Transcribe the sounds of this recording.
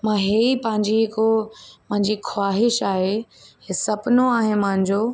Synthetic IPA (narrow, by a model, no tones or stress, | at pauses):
mãɦeːipɐ̃ɦɪ̃ɲd͡ʑiɦɪkomɐ̃ɦɪ̃ɲd͡ʑixʰwaːɦɪʃaːɦe | esɐpnoaːɦẽmɐ̃ɦɪ̃ɲd͡ʑoː